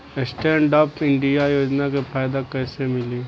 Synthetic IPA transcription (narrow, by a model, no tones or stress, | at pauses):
esʈɛːɳɖaːpɪɳɖijajoːd͡ʒnakepʰaːjd̪akɛːsemɪli